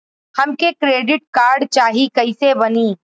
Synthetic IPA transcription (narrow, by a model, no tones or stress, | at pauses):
hɐmkekɾeːɖɪʈ̚kaːɾɖt͡ʃaːɦikɐɪsebɐniː